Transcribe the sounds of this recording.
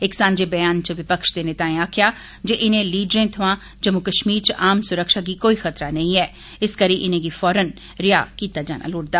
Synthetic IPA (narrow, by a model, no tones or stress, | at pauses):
ɪksãːɲd͡ʒeːbəjaːnt͡ʃəʋɪpəkʃd̪eːnɪt̪aːẽaːkʰɪjaː | d͡ʒeːʔɪnẽːliːɖɾẽːt̪ʰəʋãː | d͡ʒəmʊkəʃmiːɾt͡ʃʔaːmsʊɾəkʃaːɡiːkoːixət̪ɾanəĩɛː | ɪskəɾiːʔɪnẽːɡiːfɔːɾən | ɾɪja̰ːkiːt̪aːd͡ʒaːna̰ːlʊːɽd̪aː